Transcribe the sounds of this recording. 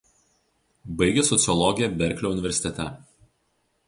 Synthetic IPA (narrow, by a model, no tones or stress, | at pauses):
bɐɪɡʲesɔt̪sʲɨɔlˠɔɡʲɪjɛbʲɛɾʲklʲoʊnʲɪʋʲɛɾʲsʲɪ̥t̪ʲɛt̪ʲɛ